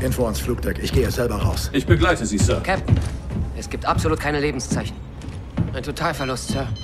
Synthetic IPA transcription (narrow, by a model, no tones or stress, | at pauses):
ʔɪnfoansfluːk̚d̥ɛkɪçɡ̥eːəzɛlbɐʁa̰ʊsʔɪçb̥əɡlaɪtəziːsœɐkʰɛp̚tn̩ʔɛsɡ̥iːp̚tʔapz̥oluːt̚kʰaɪnəleːbm̩st͡saɪçn̩ | ʔaɪntʰotʰaːlfɛɐlʊstsœɐ